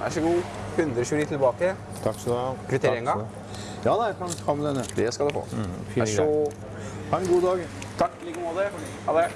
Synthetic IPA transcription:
ʔæ̰ʂɔɡuːhʉnd̪ɾəɔçʉːniːt̪ʰɪlbɑːkə | t̪ʰɑkːsɑkʰʋɪt̪ʰeːɾɪŋɑ | jɑːd̪ɑkɑnkʰɑmːd̪ɛnːəd̪ɛskɑd̪ʉfo̰ː | ɔ | hɑɾɛnɡuːd̪ɑːɡ | t̪ʰɑkːliːkəmɔd̪ɛ | hɑd̪ɛ

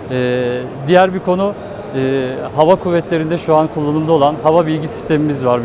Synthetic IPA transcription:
ɛː | d̪ijæɾbikʰo̞nu | ɦavakʰuvːɛt̪ʰlʲe̞ɾind̪ɛʃuankʰulˠːanumd̪ao̞lˠanhavabilʲɟisi̥st̪ʰe̞mimizvaɾ

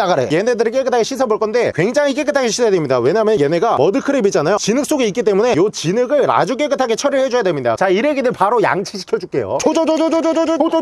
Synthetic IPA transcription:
aɡaɾeje̞ne̞dɯɾik͈ek͈ɯtʰaɡeɕʰis̬ʰaboɭk͈ʌndekwe̞ŋd͡ʑaŋik͈ek͈ɯtʰaɡeɕʰisʰajadwemɲidawe̞ɲaɦːmjʌnjene̞ɡamʌdɯkʰɯɾebit͡ɕ͈anajot͡ɕinɯk̚s͈oɡeik͈it͈e̞mune̞jot͡ɕinɯɡɯɭɾa̰d͡ʑuk̬͈e̞k͈ɯtʰaɡe̞t͡ɕʰʌɾiɭhe̞d͡ʑojadwemɲida̰t͡ɕaiɾeɡedɯɭpaɾoja̰ŋt͡ɕʰiɕʰi̥kʰjʌd͡ʑuk͈e̞̰jo̰t͡ɕʰod͡ʑod͡ʑooo

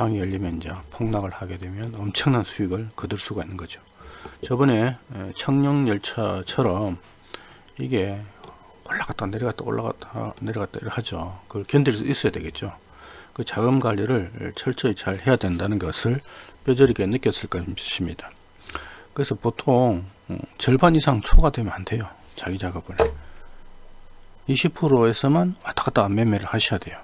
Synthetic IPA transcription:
taŋijʌʎːimjʌnd͡ʑapʰoŋnaɡɯɭhaɡe̞dwe̞mjʌnʌmt͡ɕʰʌŋnansʰuiɡɯɭkɯdɯɭs͈uɡainːɯnɡʌd͡ʑiot͡ɕʌbɯne̞t͡ɕʰʌŋɲʌŋɲʌɭt͡ɕʰʌt͡ɕʰʌɾʌm | iɡe̞ | oɭːaɡat͈aaneɾʌɡat͈ao̰ɭːa̰ɡa̰ta̰neɾʌɡat͈a̰iɾɯɭhad͡ʑokɯɭkjʌndɯɭs͈ɯis͈ʌjadwe̞ɡe̞t̚t͡ɕ͈o | kɯt͡ɕaɡɯmɡaʎːiɾɯɭt͡ɕʰʌɭt͡ɕ͈ʰʌit͡ɕaɭhe̞jadwe̞ndanɯnɡʌsʰɯɭp͈jʌd͡ʑʌɾiɡe̞nɯk͈jʌs͈ɯɭk͈aɕ͈ʰimɲid̥a | kɯɾesʰʌpotʰoŋt͡ɕʌɭbanisʰaŋt͡ɕʰoɡadwe̞mjʌnandʰe̞jo | t͡ɕaɡid͡ʑaɡʌbɯɭ | iɕʰipʰɯɾoesʰʌmanmat͈ḁk͈ʰat͈ame̞meɾɯɭhaɕʰijadwe̞jo

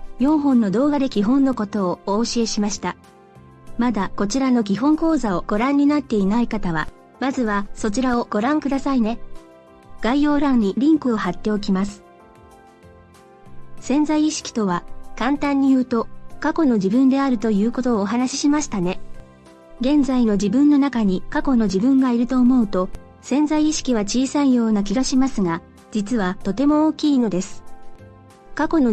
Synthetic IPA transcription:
jõ̞ɰ̃ɦõ̞nːo̞d̪o̞ːɡad̪e̞kʲiɦõ̞nːo̞ko̞t̪o̞ːoːɕie̞ɕimaɕi̥t̪a | mad̪ako̞t͡ɕiɾano̞kʲiɦõ̞ŋko̞ːzao̞ɡ̥o̞ɾãɲ̟ːinat̪ːe̞inaikat̪aβa̰ | mazɨβaso̞t͡ɕiɾao̞ɡ̥o̞ɾãŋkɯd̪asaine̞ | ɡ̥aijo̞ːɾãɲɾʲiɾʲĩŋkɯ̟o̞hat̪ːe̞o̞k̬ʲimasɨ̥ | sẽ̞nzaiːɕi̥kʲi̥t̪o̞βakãnt̪ãɲ̟ːijɯ̟ːt̪o̞kako̞no̞d͡ʑibɯ̟̃nd̪e̞aɾɯ̟t̪o̞jɯ̟ːko̞t̪o̞ːɦanaɕi̥ɕimaɕi̥t̪ane̞ | ɡẽ̞nd͡zaino̞d͡ʑibɯ̟̃nːo̞nakaɲ̟ikako̞no̞d͡ʑibɯ̟̃ŋɡaiɾɯ̟t̪o̞ːmo̞ɯ̟t̪o̞ | sẽ̞nzaiːɕi̥kʲiβ̞at͡ɕiːsaijo̞ːnak̬ʲiɡaɕimasɨɡa | d͡ʑit͡sɨβat̪o̞t̪e̞mo̞oːkʲiːno̞d̪e̞sɨ̥ | kako̞no̞

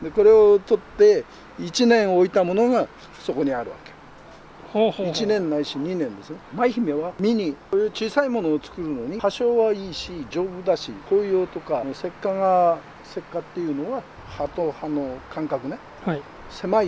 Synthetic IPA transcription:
d̪e̞ko̞ɾe̞ot̪o̞t̪ːe̞ | it͡ɕinẽ̞ɰ̃o̞it̪amo̞no̞ɡa | so̞ko̞ɲ̟iaɾɯ̟̰βa̰ke | hoit͡ɕinẽ̞nːaiɕiɲ̟inẽ̞nd̪e̞sɨnemaiçime̞βamʲiɲ̟ikojɯːt͡ɕiːsaimo̞no̞ːt͡sɨ̥kɯ̟ɾɯ̟no̞ɲ̟ihaɕo̞ːβaiːɕid͡ʑo̞ːbɯ̟d̪aɕiko̞ijo̞ːt̪o̞kanose̞kːaŋa | se̞kːat̪ːe̞jɯ̟no̞βa | hat̪ohano̞kãŋkakɯ̟ne | h | se̞mai

